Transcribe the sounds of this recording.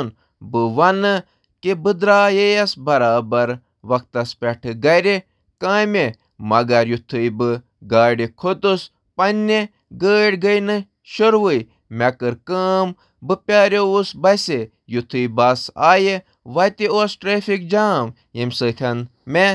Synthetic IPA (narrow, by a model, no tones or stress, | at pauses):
n | bɨʋɐnɨ | kibɨd̪ɾaːjejɐsbɐɾaːbɐɾ | ʋɐk̚t̪ɐspʲɛʈʰɨɡɐɾe | kãːme | mɐɡɐɾjut̪ʰɨjbɨ | ɡaːɖikʰot̪us | pɐnʲːe | ɡəːɽʲɡɐjnɨ | ʃoɾʋɨj | mɛkɨɾkəːm | bɨpʲaːɾʲeusbɐse | jut̪ʰɨjbɐsa̰ːje | ʋɐt̪ioːsʈɾeːfikd͡ʒaːm | jimʲsɨːt̪ʲʰɐnmʲe